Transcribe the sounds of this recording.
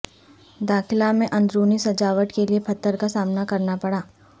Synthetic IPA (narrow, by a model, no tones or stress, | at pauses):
d̪aːxɪlamẽʔɐ̃nd̪ɾoːnisɐd͡ʒaːʋəʈkeliepʰɐt̪ːəɾkasaːmnakɐɾnapɐɽaː